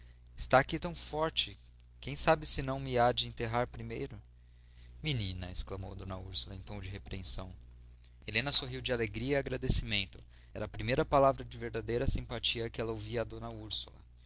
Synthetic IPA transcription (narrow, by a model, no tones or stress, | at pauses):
ɪst̪aːkit̪ɐ̃w̃fɔɾt͡ʃɪ | kẽj̃sabɪsɪnɐ̃w̃mɪad͡ʒɪẽnt̪eɦaɾpɾimejɾʊ | minĩnɐesklɐmowd̪õnɐuɾsulɐẽt̪õw̃d͡ʒɪɦepɾeẽsɐ̃w̃ | elẽnɐsoɦiwd͡ʒɪaleɡɾiɐiaɡɾad̪esimẽnt̪ʊ | ɛɾɐːpɾimejɾɐpalavɾɐd͡ʒɪveɾd̪ad̪ejɾɐsĩmpat͡ʃiɐkɪɛlɐowviɐːd̪õnɐuɾsulɐ̰